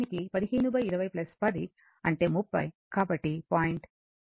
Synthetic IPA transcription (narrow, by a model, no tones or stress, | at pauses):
nikipɐd̪iɦiːnubɐjiɾɐʋɐjplɐspɐd̪i | ɐɳʈe̞ːmupːɐ̰j | kaːbɐʈːipaːjiɳʈ